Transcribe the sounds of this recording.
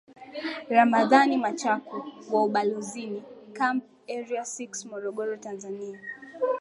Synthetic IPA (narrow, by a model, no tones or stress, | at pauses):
ɾamaðanimat͡ʃakuwauɓaluzinikamp | ɛɾiasiksmɔɾɔɠɔɾɔtanzania